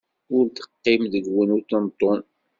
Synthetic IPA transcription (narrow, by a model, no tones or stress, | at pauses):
ʊɾt̪ə̥qːimðəɡwənut̪ɑnt̪ˤɔn